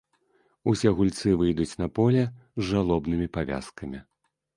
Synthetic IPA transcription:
usʲɛɣulʲt̪sɨvɨjd̪ut͡sʲnɐpɔlʲɛzʐalˠɔbnɨmʲipavʲa̰skɐmʲi

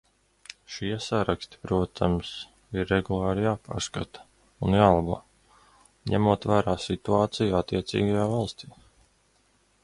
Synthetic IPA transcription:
ʃiɛsaɾakst̪i̥pɾuɔt̪ʰams | iɾːeɡulˠɑːɾijaːpa̰ːɾska̰t̪ɐ̥ | unjaːlˠabṵː | ɲæmuɔt̪væːɾaːsit̪uaːt̪sijuat̪ːiɛt̪sḭːɡajaːvalˠst̪iː

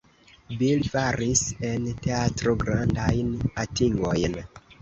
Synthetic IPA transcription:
bilfaɾise̞nte̞atɾoɡɾandajnatiŋɡo̞̰jn

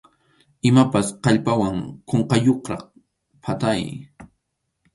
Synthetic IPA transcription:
ɪmapasqɑʎpawaŋkoɴqɑjoχɾɑχ | pʰat̪aj

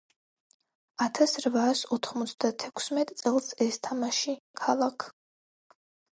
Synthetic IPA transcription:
at̪ʰasɾvaːsɔt̪ʰχmɔt̪sʰd̪at̪ʰɛkʰsmɛt̪ʼt̪sʼɛlˠsɛst̪ʰamaʃikʰalˠakʰ

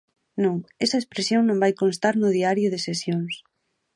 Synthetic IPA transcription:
nõŋɛsɐespɾesjoŋnõmbajkonst̪aɾnʊðiaɾjʊðɪsesjoŋs

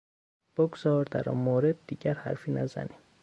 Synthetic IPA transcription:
b̥oɡzɒːɾd̪æɾɒ̰nmoːɾed̪ːiːɟæɾhæ̰ɾfiːnæzæ̰niːm

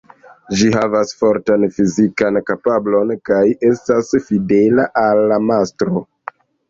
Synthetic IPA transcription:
d͡ʒiɦavasfoɾtanfizikankapablo̞nkaje̞stasfide̞laʔalːamastɾo̞

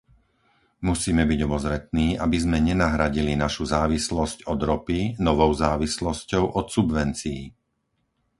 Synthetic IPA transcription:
musiːmɛbiɟɔbɔzɾɛt̪̚niːʔabizmɛɲɛnaɦɾaɟilinaʃuzaːʋislɔscɔd̪ɾɔpinɔʋɔʊzaːʋislɔscɔʊʔɔt̪subʋɛnt͡sii

